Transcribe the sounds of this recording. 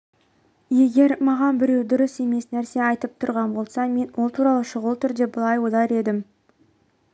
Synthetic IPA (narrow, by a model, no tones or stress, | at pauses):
je̞ɡʲe̞ɾmɑʁɑnbɪɾe̞wd̪ʊɾəse̞me̞snæɾse̞ɑjt̪əp̚t̪ʰʊɾʁɑnbo̞lˠsɑme̞nwʔo̞lˠt̪ʰuɾɑlˠəʃʊʁəlˠt̪ʰʏɾd̪e̞bəlˠɑjwod̪ɑɾe̞d̪ɪm